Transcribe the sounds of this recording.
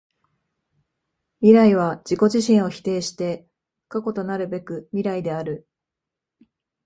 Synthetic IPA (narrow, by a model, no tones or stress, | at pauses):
mʲiɾaiβ̞ad͡ʑ̥iko̞ʑiɕĩɰ̃o̞çi̥t̪e̞ːɕi̥t̪e̞̥ | kako̞t̪o̞naɾɯ̟be̞kɯ̟mʲiɾaid̪e̞aɾɯ̟